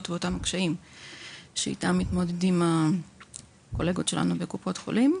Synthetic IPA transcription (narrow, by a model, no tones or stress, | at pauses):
tveotamakʃaim | ʃeḭtamːit̪mo̞dedima | ko̞le̞ɡotʃe̞la̰nubekupo̞t̪χolim